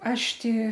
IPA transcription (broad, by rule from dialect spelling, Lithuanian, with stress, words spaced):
ˈɐʃ ˈtʲɪ